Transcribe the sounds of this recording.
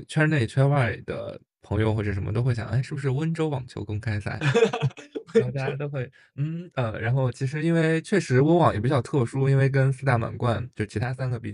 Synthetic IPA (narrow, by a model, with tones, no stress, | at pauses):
t͡ɕʰɥɛ˥ne˥˩ɪt͡ɕʰwa˥ɪwa˥˩lḭ˨˩d̪ə̰˦ | pʰɤ˧˥ŋjo˧xwɔ˥˩ʈ͡ʂə˨˩ʂə˧˥mə˧t̪o˥ʊxwɪjɑ̰˨˩˦ʔa˥˧ɪʂɻ̩˥˩bu˩ʂ̬ɻ̩˥˩wə˥nʈ͡ʂo˥ʊwɑ˨˩ŋt͡ɕʰjo˧˥ʊkɤ˥˧ŋkʰa˥ɪsa̰˥˩ɪ˦˥˩ | t͡ɕja˥t̪o˥ʊxwe˥˩ɪ | n̩˥˩ə˧ɻa˧˥nxo˥˩ʊt͡ɕʰi˧˥ʂ̬ɻ̩˧˥i˥nwe˥˩ɪt͡ɕʰɥɛ˥˩ʂɻ̩˧˥wə˥nwɑ˨˩ŋjɛ˨˩pi˧˥t͡ɕjɑ˥˧ʊt̪ʰɤ˥˩ʂu˥i˥nwe˥˩ɪk̬ə˥nsu˥t̪a˥˩ma̰˨˩nkwa˥˧nt͡ɕjʂt͡ɕʰi˧˥t̪ʰa˥sa˥nɡə˨pi˥˧˩